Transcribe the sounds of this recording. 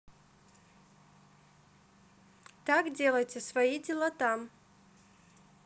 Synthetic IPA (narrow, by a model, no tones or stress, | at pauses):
t̪akdʲelˠəjtʲɪsvɐidʲɪlˠat̪am